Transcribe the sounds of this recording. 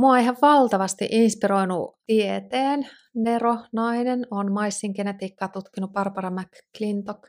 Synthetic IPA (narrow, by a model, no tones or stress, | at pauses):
muɑoeiɦɑʋʋɑlt̪ɑʋɑst̪ḭʔinspiɾoinṵt̪iet̪eːn | neronɑinenonmɑisːiŋkenet̪iːkːɑːt̪ut̪kinuppɑrpɑrɑmækklint̪ok